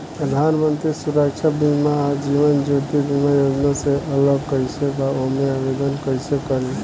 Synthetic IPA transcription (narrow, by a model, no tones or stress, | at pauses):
pɾəd̪ʱanmənt̪ɾisuɾək̚t͡ʃʰabimaːd͡ʒiʋənd͡ʒot̪ibimajod͡ʒnaseʔələɡkəjsebaoɦmeabed̪ənkəjsekːəɾe